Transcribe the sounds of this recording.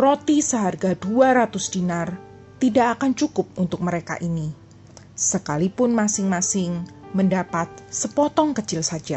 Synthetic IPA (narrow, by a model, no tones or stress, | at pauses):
rot̪isəɦarɡaduaɾat̪ʊsdinar | t̪idaʔakant͡ʃukʊp̚unt̪ʊk̚məɾeka̰ʔini | səkalipʊnmasɪŋmasɪŋməndapat̪̚səpɔt̪ɔŋkət͡ʃɪlsad͡ʒa